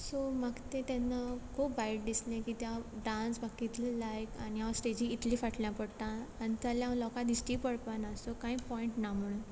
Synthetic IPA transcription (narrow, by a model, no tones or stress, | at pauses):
somaɡt̪et̪ɛnːakʰopbaiʈ̚d̪islẽkit̪jaɖãnsbakːit̪ʰlilajkañiaʋəsʈed͡ʑiːt̪lifaʈljapəɽt̪ãːnit̪aljãlɔkãd̪isʈiːpəɽpanasokaĩːpɔiɳʈnamuɽu